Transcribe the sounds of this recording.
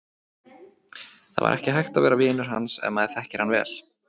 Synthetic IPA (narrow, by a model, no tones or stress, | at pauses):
θa̰va̰ɾʔɛhcɪɦajxt̪avɛːɾavɪːnʏɾ̥ha̰nsɛ̰nmaðɛɾθɛhcɪɾ̥hanvɛ̰ːl̥